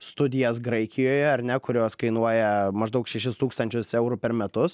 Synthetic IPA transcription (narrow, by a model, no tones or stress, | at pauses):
st̪ʊd̪ʲɪjɛsɡɾɐɪkʲɪjoːjɛɐɾʲnʲɛkʊɾʲoːskɐɪnuɔjɛmɐʒd̪ɐʊkʃʲɛʃʲɪst̪uːkst̪ɐnʲt͡ʃʲʊsɛʊɾʊpʲɛɾmʲɛt̪ʊs